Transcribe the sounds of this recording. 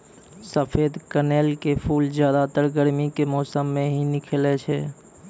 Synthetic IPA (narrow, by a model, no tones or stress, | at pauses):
səpʰeːd̪kəneːlkepʰuːlzjaːd̪at̪əɾɡəɾmikemɔːsəmːẽɦinɪkʰelet͡ʃʰɛː